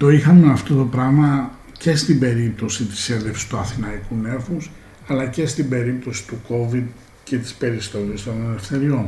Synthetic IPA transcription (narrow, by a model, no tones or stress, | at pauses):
t̪o̞ixɐnmeɐft̪o̞t̪o̞pɾɐɣmɐ | ce̞st̪ibe̞ɾip̚t̪o̞sit̪i̥senðe̞fsi̥st̪uɐθinɐikune̞fus | ɐlɐce̞st̪ibe̞ɾip̚t̪o̞si̥t̪uko̞vid̪ | ce̞t̪i̥spe̞ɾist̪o̞list̪o̞ne̞le̞fθe̞ɾio̞n